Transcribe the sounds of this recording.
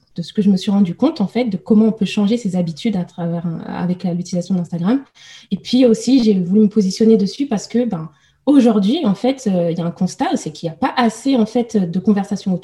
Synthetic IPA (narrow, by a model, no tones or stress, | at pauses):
d̪̥əsə̥kəʒəməsɥiʁɑ̃d̪ykɔ̃t̪ɑ̃fɛt̪̚d̪əkɔmɑ̃ɔ̃pøʃɑ̃ʒesezabit̪ʰyd̪at̪χavɛʁ̰a̰vɛklalyt̪ilizasjɔ̃d̪ɛ̃st̪aɡʁam | epɥiosiʒevulyməpozisjɔned̪əsypaʁsə̥kəbɛ̃ | oʒuʁd̪ɥiɑ̃fɛt̪ʰøiljaɛ̃kɔ̃st̪asekʲiljapaʔaseɑ̃fɛt̪ød̪əkɔ̃vɛʁsasjɔ̃ot̪